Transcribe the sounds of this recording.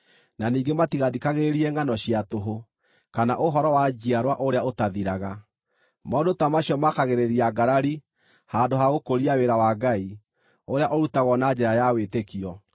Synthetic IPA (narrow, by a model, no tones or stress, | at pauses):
naniːɡematiɣaðikaɣeɾiɛŋɡanɔɕiatoɦo | kanaʔoɦɔɾɔwad͡ʑiaɾwaʔoɾeaotaðiɾaɣa | maɔndotamaɕjɔmakaɣeɾeɾiaɡaɾaɾi | handoɦaɣokoɾiaweɾawaɡai | oɾeaʔɔɾutaɣɔnad͡ʑɛɾajawetekiɔ